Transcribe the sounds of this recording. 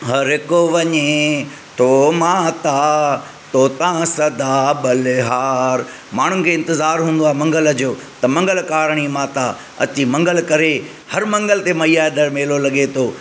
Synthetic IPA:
ɦɐɾɦɪkoʋɐɲe | t̪ʰomãːt̪a | t̪ot̪ɐãsɐd̪aːɓɐlɪɦaːɾ | maːɳ̤ʊnɪ̆kʰeːɪ̃nt̪ɪzaːɾɦũːnd̪oaːmɐ̃ŋɡəld͡ʑoːt̪ɐmɐ̃ŋɡəlkaːɾɽ̃imãːt̪aː | ɐ̰t͡ɕimɐ̃ŋɡəlkɐɾe | hɐɾmɐ̃ŋɡəlt̪emɐiaːd̪ɐɾmeːlolɐɠet̪ʰoː

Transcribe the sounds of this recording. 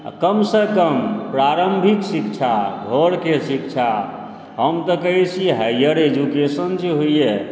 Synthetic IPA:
kəmsəkəmpɾaɾəmbʱiksikt͡ʃʰaɡʱoɾkesik̚t͡ʃʰa | ɦəmt̪ɔkəɦit͡ʃʰiɦəjjəɾed͡ʒukesənd͡ʒeɦoije

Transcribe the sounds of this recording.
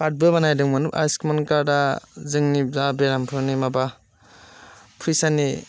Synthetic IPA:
pat̚bɯbanajdɯŋmɯnupa̰skmankaɾdazɯŋnizabeɾampʰɯɾnimaba | pʰɯjsani

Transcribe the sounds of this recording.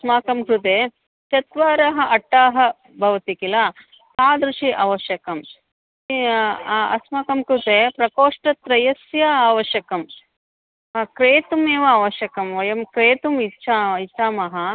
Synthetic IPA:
smaːkɐmkɾut̪eː | t͡ʃ̪ɐt̪ʋaːɾɐɦɐ̆ʔɐʈːaːɦɐ̆ | bʱɐʋɐt̪ikila | aːd̪ɾuʂiʔɐʋɐʃjɐkɐm | ɐ̰smaːkɐmkɾut̪eːpɾɐkoːʂʈɐt̪ɾɐjɐsjɐaːʋɐʃjɐkɐm | ɐkɾeːt̪umeːʋɐaːʋɐʃjɐkɐmʋɐjɐmkɾeːt̪umitːʃaːit͡ʃaːmɐɦɐ

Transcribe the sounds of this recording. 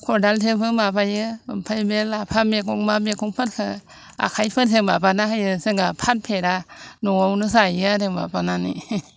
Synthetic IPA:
kʰodaltʰepʰɯmapʰajɯpʰajbelapʰamekʰuŋmamekʰuŋpʰɯt̚kʰɯ | a̰kʰajpʰɯt̚tʰebapanakajɯsɯŋɡapʰat̚pʰeɾanuawnɯsajatema̰pananḭ

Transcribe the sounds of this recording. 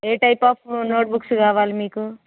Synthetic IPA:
eʈajpʌpʰnoʈ̚buksuɡaʋalmiko

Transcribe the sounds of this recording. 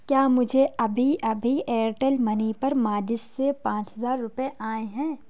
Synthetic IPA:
kjaːmʊd͡ʒʱeɐbʱiʔɐbʱieːɾʈəlmɐnipɐɾmaːd͡ʒɪsːepãːt͡ʃɦɐzaːɾːʊpeʔaːẽɦɛ̃ː

